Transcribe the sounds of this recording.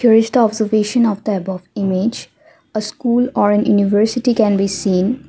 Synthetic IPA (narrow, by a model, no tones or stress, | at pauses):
kʰjʊɾɪt͡ʃʈ̪ɔbzəɾʋeːʃə̃nɔʋd̪əɛbɔʋɪmed͡ʒ | əskuːlɔːɾɛ̃njṵːniʋəɾsɪʈikɛ̃nbiːsĩːn